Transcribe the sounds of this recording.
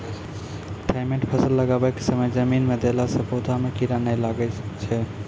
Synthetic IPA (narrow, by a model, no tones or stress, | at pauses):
ʈʰaɪmẽɳʈpʰəsəlːəɡabɛkesəməjd͡ʒəminmed̪elasə̃pod̪ʱamekiɾanɛjlaɡɛt͡ʃʰɛ